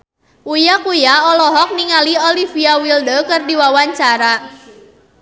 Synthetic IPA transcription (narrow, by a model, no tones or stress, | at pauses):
ujakujaɔlɔɦɔk̚niŋaliolifiawildəkɨrdiwawaɲt͡ʃaɾa